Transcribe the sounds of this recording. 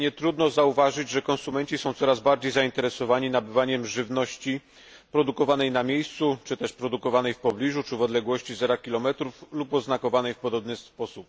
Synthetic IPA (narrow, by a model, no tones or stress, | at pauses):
ɲɛt̪ɾud̪nɔzauvaʐɘd͡ʑʐɛkɔ̃nsumɛɲt͡ɕisɔ̃w̃t̪sɔɾazbaɾd͡ʑejzaint̪ɛɾɛsɔvaɲinabɘvaɲɛmʐɘvnɔɕt͡ɕi | pɾɔd̪ukɔvanɛjnamʲjejst̪sut͡ʂɘt̪ɛʂpɾɔd̪ukɔvanɛjfpɔblʲiʐut͡ʂɘvɔd̪lɛɡwɔɕt͡ɕizɛɾakʲilɔmɛt̪ɾuflupɔznakɔvanɛjfpɔd̪ɔbnɘspɔsup̚